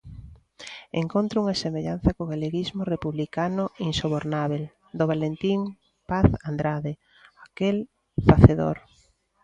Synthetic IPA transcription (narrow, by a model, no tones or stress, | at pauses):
ḛŋkont̪ɾouŋasemeʎan̟θɐkoɣaleɣizmorepuβlikanʊinsoβoɾnaβel | d̪oβalent̪im | paθand̪ɾaðe | akel | faθeðo̰ɾ